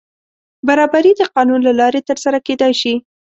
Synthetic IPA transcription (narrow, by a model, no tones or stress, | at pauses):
baɾɑbaɾid̪əqɑnunlalɑɾet̪əɾsaɾaked̪ajʃi